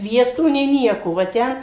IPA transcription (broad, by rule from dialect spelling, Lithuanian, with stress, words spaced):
ˈsʲʋʲiɛstoː nʲeː ˈnʲiɛkoː ʋɐ ˈtʲɛn